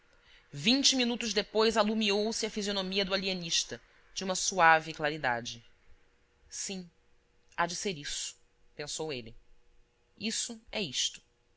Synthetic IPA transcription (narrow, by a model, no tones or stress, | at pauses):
vĩnt͡ʃɪminut̪ʊʒd̪epojzalumiowsɪɐfizionomiɐd̪ʊalieniʃt̪ɐ | d͡ʒɪũmɐsuavɪklaɾid̪a̰d͡ʒɪ | sĩ | ad͡ʒɪseɾisʊ̥ | pẽsowelɪ | isʊɛiʃt̪ʊ̥